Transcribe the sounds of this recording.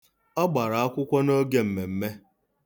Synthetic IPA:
ɔ˦ɡ͡ba˨ɾa˨a˦kʷʊ˦kʷɔ˦no˦ɡe˨m̩˨me˨m̩˦me˦

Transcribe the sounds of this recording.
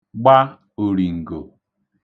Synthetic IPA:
ɡ͡ba˦ | o˨ɾi˨ŋ̩˨ɡo˨

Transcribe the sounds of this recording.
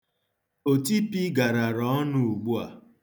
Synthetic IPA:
o˨ti˦pi˦ɡa˨ɾa˨ɾɔ˨˦nu˦u˨ɡ͡bu˦a̰˨

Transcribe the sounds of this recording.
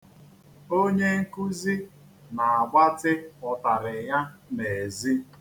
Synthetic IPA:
o˦ɲe˦ŋ̩˦ku˦zi˦ | na˨a˨ɡ͡ba˦tɪ˦ɔ˨ta˨ɾɪ˨ja˦ne˨zi˦

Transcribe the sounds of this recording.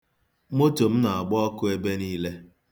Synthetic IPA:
mo˦to˨m̩˦na˨a˨ɡ͡bɔ˦ɔ˦kʊ˦e˦be˦niː˦le˦

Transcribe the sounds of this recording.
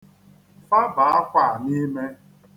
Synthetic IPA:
fa˦ba˨a˦kʷa˨ni˦me˦

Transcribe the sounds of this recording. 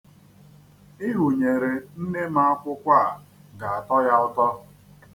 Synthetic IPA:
i˦ɦu˨ɲe˨ɾe˨n̩˦ne˦ma˦a˦kʷʊ˦kʷa˦˨ɡa˨a˨tɔ˦ja˦ʊ˦tɔ˦

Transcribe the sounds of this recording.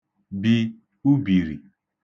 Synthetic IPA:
bi˦ | u˦bi˨ɾi˨

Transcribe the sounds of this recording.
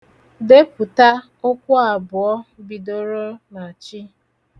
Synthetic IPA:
de˦pʊ˨ta˦ | o˦kʷʊ˦a˨bʊ˨ɔ˦bi˨do˦ɾo˦na˨t͡ʃi˦

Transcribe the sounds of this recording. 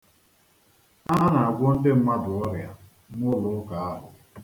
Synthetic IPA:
a˦ɦa˦na˨a˨ɡʷo˦n̩˦de˦m̩˦ma˦dʊ˨ɔ˦ɾja˨ | n˦ʊ˦lʊ˨ʊ˦ka˨a˦ɦʊ˨

